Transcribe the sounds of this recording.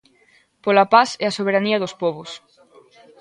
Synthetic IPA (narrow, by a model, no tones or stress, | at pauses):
polɐpaseasoβ̞eɾaniɐðospɔβʊs